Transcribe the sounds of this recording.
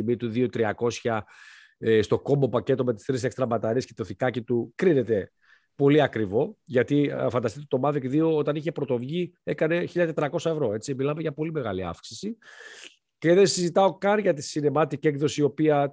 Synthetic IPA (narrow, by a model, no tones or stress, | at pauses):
imit̪uðio̞t̪ɾiɐko̞sçɐ | st̪o̞ko̞mo̞pɐce̞t̪o̞met̪i̥st̪ɾisekst̪ɾɐmɐt̪ɐɾiesce̞t̪o̞θikɐcit̪ukɾine̞t̪e̞ | po̞liɐkɾivo̞ʝɐt̪ifɐnd̪ɐst̪it̪et̪o̞mɐðikðio̞ot̪ɐniçe̞pɾo̞t̪o̞vʝie̞kɐne̞çiʎɐt̪et̪ɾɐko̞sɐe̞vɾo̞e̞t͡similɐme̞ʝɐpo̞lime̞ɣɐliɐ̰fksi̥si | ce̞ðensizit̪ɐo̞kɐnʝɐt̪isine̞mɐt̪icie̞kðo̞sio̞piɐ